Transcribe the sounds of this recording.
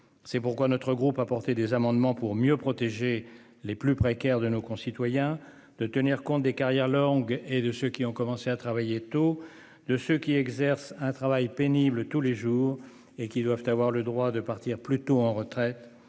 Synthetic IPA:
sɛpuʁkwanɔt̪χəɡʁupapɔʁt̪ed̪ezamɑ̃d̪mɑ̃puʁmjøpχɔt̪eʒe | leplypχekʲɛʁd̪ənokɔ̃sit̪wajɛ̃ | d̪̥ət̪əniʁkɔ̃t̪̚d̪ekaʁjɛʁlɔ̃ɡed̪əsøkʲiɔ̃kɔmɑ̃seat̪χavajet̪o | d̪əsøkʲiɛɡzɛʁsɛ̃t̪χavajpeniblət̪uleʒuːʁ | ekʲid̪wav̥t̪avwaʁləd̪ʁwad̪əpaʁt̪iʁplyt̪oɑ̃ʁət̪χɛt̪

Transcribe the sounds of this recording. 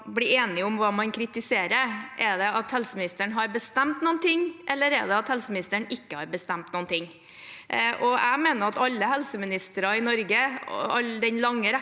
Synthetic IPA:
bliːeːnɪʊmʋɑːmɑnkʰɾɪt̪ɪseːɾəɾʔɛɖɛɑt̪hɛlsəmɪnɪst̪əɳɦɑɾbəst̪ɛmt̪nuːnt̪ɪŋːʔɛlːəɾɛ̰ɖ̪ɛɑt̪hɛlsəmɪnɪst̪əɳɪkːəhɑɾbəst̪æmt̪nuːənt̪ʰɪŋː | ʔɔæɡmeːnəɾɑt̪ɑlːəɦɛlsəmɪnɪst̪əɾɑɪnɔɾɡəɑld̪ɛnlɑŋːəɾ

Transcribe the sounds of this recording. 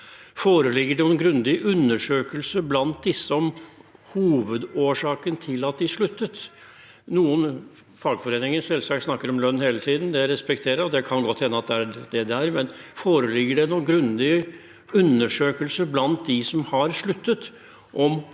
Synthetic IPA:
foːɾəlɪɡːəɖɛnʊɛnɡɾʉnd̪ɪʔʉnːəʂøːkəlsəblɑnt̪̚d̪ɪsːəɔmhuːʋəd̪oːʂɑːkənət̪ʰɪlɑt̪̚d̪ɪʂɭʉt̪ːət̪ | nuːən | fɑlɡfɔɾeːnɪŋəsɛlsɑkt̪snɑkːəɾɔmlœnːheːlət̪ʰiːd̪n̩d̪ɛɾɛspɛkt̪ʰeːɾəɾɔd̪ɛkʰɑnɡɔt̪ːhɛnːəɑt̪̚d̪ɛædɛd̪ɛæɾmɛnfoːɾəlɪɡːəɖɛnunɡɾʉnd̪ɪ | ʉnːəʂøːkəlsəblɑnt̪̚d̪ɪsɔmhɑɾʂɭʉt̪ːət̪ | ʔɔm

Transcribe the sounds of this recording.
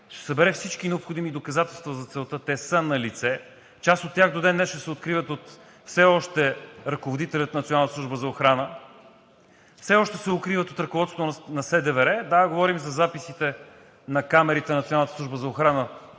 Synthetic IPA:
ʃɛ̥sɐbɛɾɛfsit͡ʃkinɛopxod̪imid̪okɐzat̪ɛlˠst̪vɐzɐt̪sɛlˠt̪ət̪ɛsənɐlit̪sɛ | t͡ʃast̪ot̪ːʲjaxd̪od̪ɛnːɛʃɛsɛot̪kɾivət̪ot̪ | fsɛɔʃt̪ɛɾɐkovod̪it̪ɛlʲət̪nɐt̪sʲjonalˠnt̪sˠuʒbəzɐoxɾanə | fsɛɔʃt̪ɛsɛokɾivət̪ot̪ɾɐkovɔt̪st̪ot̪nɐsɛd̪ɛvɛɾɛd̪aɡovɔɾimzɐzapisit̪ɛ | nɐkamɛɾit̪ɛnɐt̪sʲjonalˠnət̪əsˠuʒbəzɐoxɾanə

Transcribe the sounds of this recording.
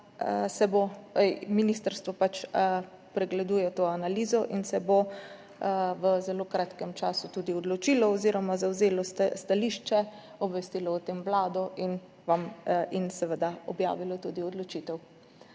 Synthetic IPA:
əsɛboɛjminist̪əɾst̪ʋɔpat͡ʃ | pɾɛɡlɛd̪uːjɛt̪oːanalizɔʔinsɛbo | ʋəzɛloːkɾaːt̪kɛmt͡ʃaːsut̪ud̪iɔd̪lɔt͡ʃilɔɔziɾɔmazawzeːlɔst̪st̪aliːʃt͡ʃɛ | ɔbʋɛst̪iːlɔut̪emʋlaːd̪ɔʔin | ʋaminsɛʋəd̪aɔ̰bja̰ːʋilɔt̪uːd̪iɔd̪lɔt͡ʃit̪ɛw

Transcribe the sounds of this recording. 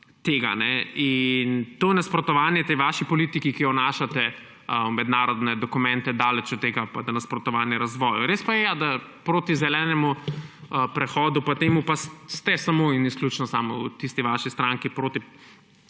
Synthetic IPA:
t̪eːɡanɛint̪onaspɾɔt̪ɔʋaːnjɛt̪ɛjʋaːʃipɔlit̪ikikijɔnaːʃat̪ɛ | əwmɛd̪naːɾɔd̪nɛd̪ɔkumɛ̃nt̪ɛd̪aːlɛt͡ʃut̪ːeːɡapad̪ɐnɐspɾɔt̪ɔʋanjɛɾazʋɔːjuɾespajɛjad̪apɾoːt̪izɛlɛːnɛmuəpɾɛxɔːd̪upat̪eːmupasst̪ɛsamoinisklʲut͡ʃnɔsaːmɔut̪ist̪iʋaʃist̪ɾãŋkipɾoːt̪i

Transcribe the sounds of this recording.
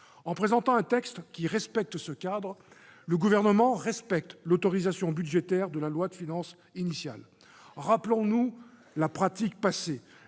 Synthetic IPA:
ɑ̃pχezɑ̃t̪ɑ̃ɛ̃t̪ɛkst̪kʲiʁɛspɛk̚t̪səkad̪ʁ | ləɡuvɛʁnəmɑ̃ʁɛspɛk̚t̪lot̪ɔʁizasjɔ̃byd̪ʒet̪ɛʁd̪əlalwad̪əfinɑ̃s | inisja̰l | ʁaplɔ̃nu | lapχat̪ik̚pase

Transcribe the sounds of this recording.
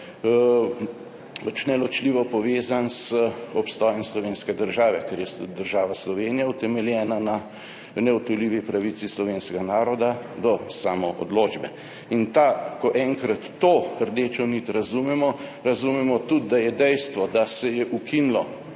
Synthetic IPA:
pat͡ʃnɛlɔt͡ʃliːʋɔpɔʋeːzansəɔpst̪ɔːjɔmslɔʋeːnskɛd̪əɾʒaːʋɛkɛɾjɛsud̪əɾʒaːʋaslɔʋeːnijaut̪ɛmɛljɛːnana | nɛɔt̪ɔliːʋipɾaʋisislɔʋeːnskɛɡanaːɾɔd̪ad̪ɔsaːmɔʔɔ̰d̪loːd͡ʒbɛ | int̪akɔʔɛŋkɾat̪ːoːəɾd̪eːt͡ʃɔnit̪ɾazumɛmɔɾazumɛmɔt̪ud̪d̪ajɛd̪ɛjst̪ʋɔd̪asɛjɛʔukʰinlɔ

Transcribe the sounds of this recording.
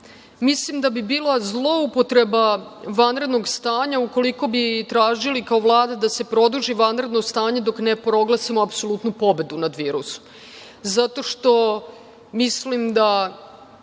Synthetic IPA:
mislimd̪abibiːlazlˠo̞upo̞t̪ɾe̞baʋanɾe̞d̪noɡst̪aːɲauko̞liko̞bit̪ɾaːʒilikaoʋlˠaːd̪ad̪ase̞pɾo̞d̪uʒiʋanɾe̞d̪no̞st̪aːɲe̞d̪o̞kne̞pɾo̞ɡlˠasimoapso̞lˠut̪nupo̞be̞d̪unad̪ʋiːɾṵso̥m | zat̪o̞ʃt̪o̞ | mislimd̪a

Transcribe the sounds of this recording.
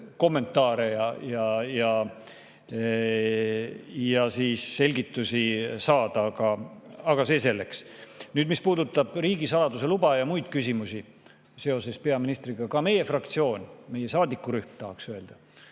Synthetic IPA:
ko̞mːe̞nt̪ːˑɑːɾejɑjɑjɑ | jɑsiːsːe̞lʲɡit̪ːˑusisɑːd̪̥ɑɡ̥ɑɑɡ̥ɑse̞ːse̞lːe̞ks | nyːd̪mispuːd̪ut̪ːˑɑb̥riːɡisɑlɑd̪use̞lubɑjɑmujd̪̥kysʲimusi | se̞o̞se̞spe̞ɑminist̪riɡ̥ɑkɑme̞je̞frɑkt̪sio̞ːnʲme̞je̞sɑːd̪ikːˑuɾyhmt̪ɑɦɑksøe̞ld̪̥ɑ

